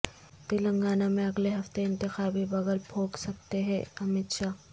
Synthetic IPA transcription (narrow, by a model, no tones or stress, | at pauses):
pɪlɐ̃ŋɡaːnamẽɐɡleɦɐft̪eɪ̃nt̪ɪxaːbʱibɐɡəlbʱʰoːksɐk̚t̪eɦɛ̃ɐmɪt̪ʃaː